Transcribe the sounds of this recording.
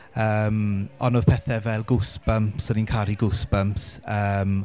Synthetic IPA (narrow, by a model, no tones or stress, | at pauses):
əːmɔnoːð̥pʰɛθɛvɛlˠɡʊsb̥əmpsəninkʰaɾiɡʊsb̥əmpsəːm